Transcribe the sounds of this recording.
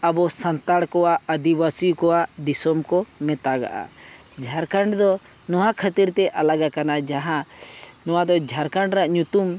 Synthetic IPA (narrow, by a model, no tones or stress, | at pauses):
əbɔsənt̪aɽkɔwaəd̪ibasijukɔwad̪isɔmkɔmɛt̪aɡa̰ʔa̰ | d͡ʒʱaɾkaɳɖd̪ɔ | nɔwakʰət̪iɾt̪ɛʔalaɡakanad͡ʒaɦã | nɔwad̪ɔd͡ʒʱaɾkaɳɖɾaʔɲut̪um